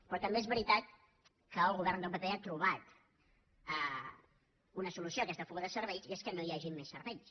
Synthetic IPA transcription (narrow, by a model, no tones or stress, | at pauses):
pɾɔt̪əmbeezβəɾit̪at̪̚ | kəːlˠɣuβ̞ɛrnd̪əmpət̪ɛat̪ɾuβ̞at̪ | ə | unəsulusiokɛst̪əfuɣəðəsəɾβɛjzeskənoiaʒimːesːərβɛʎs